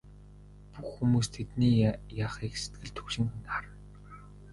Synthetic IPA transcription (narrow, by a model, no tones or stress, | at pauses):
puxːumuːst̪ʰet̪niːjaːχiːkse̥t̪̚ɡɘ̆ɮt̪ʰɵkʃɪ̆ŋxnaɾə̆n